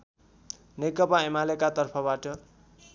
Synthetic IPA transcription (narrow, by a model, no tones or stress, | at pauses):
nekʌpaemalekat̪ʌrpʰʌbaʈʌ